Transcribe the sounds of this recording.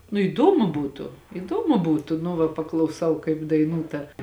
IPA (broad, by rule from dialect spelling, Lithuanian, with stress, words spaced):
nʊ iːˈdoːmʊ ˈbuːtʊ ɪˈdoːmʊ ˈbuːtʊ nʊ ˈʋɐ pɐklˠɐʊˈsɐʊ kɐɪp dɐɪˈnuː ˈtɐ